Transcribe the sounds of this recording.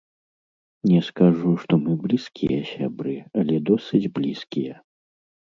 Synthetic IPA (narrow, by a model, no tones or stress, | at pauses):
nʲɛskaʐuʂt̪ɔmɨblʲiskʲijɐsʲa̰bɾɨɐlʲɛd̪ɔsɨd͡zʲblʲiskʲijɐ